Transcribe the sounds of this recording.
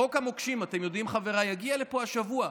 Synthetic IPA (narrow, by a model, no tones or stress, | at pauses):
o̞khamokʃimate̞mjo̞d̪imχaveʁajaɡiale̞po̞aʃavua